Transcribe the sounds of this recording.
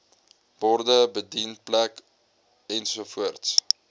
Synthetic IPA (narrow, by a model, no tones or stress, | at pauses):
b̥ɔrdəbədinplæk | ɛnsufuərts